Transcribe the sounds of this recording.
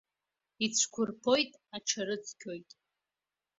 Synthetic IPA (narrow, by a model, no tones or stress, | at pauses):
it͡sʷʰkʷʰʊrpʰo̞jtʼaʈ͡ʂʰaɾɨt͡sʰkʲʰo̞jtʼ